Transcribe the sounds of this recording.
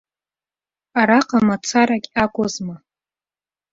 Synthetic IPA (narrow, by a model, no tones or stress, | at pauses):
aɾaqʼamat͡sʰaɾakʲʼakʷʼozma